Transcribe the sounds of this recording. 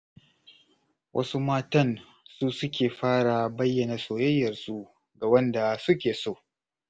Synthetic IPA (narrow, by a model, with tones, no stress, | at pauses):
wʔɐ̰˦su˦maː˦tɐ˦˨n | su˦sʊ˦kʲeː˨ɸaː˦ɽa˨bɐ˦jːɐ˨naː˨soː˨jɐ˦jːɐ˨rsu˦ | ɡa˨wɐ˦nda˨sʊ˦kʲeː˨soː˦˨